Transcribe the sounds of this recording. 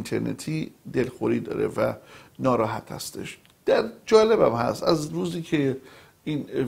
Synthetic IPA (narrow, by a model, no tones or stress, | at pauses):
nt̪ʰeɾnḛt̪ʰiːd̪elxoɾiːd̪ɒ̰ːɾḛvæ̰nɒːɾɒːɦæt̪ʰhæ̰st̪e̞ʃ | d̪̥æɾd͡ʒɒːle̞bæmhæ̰st̪æzɾuːziːcʰe | iːn